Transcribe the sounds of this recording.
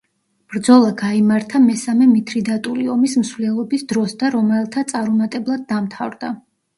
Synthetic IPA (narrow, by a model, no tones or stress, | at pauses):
b̥ɾd̪zɔlˠaɡaimaɾt̪ʰamɛsamɛmit̪ʰɾid̪at̪ʼuliɔmismsvlɛlˠɔbisd̪ɾɔsd̪aɾɔmɛlˠt̪ʰat̪sʼaɾumat̪ʼɛblˠad̪̚ːamt̪ʰavɾd̪a